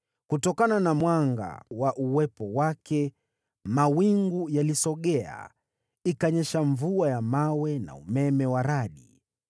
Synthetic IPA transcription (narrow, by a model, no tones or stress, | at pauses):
kutɔkananamwaŋɡa̰waʔuwɛpɔwakɛ | mawiŋɡujalisɔɠɛa̰ | ikaɲɛʃaɱvuajamawɛna̰umɛmɛwaɾaɗi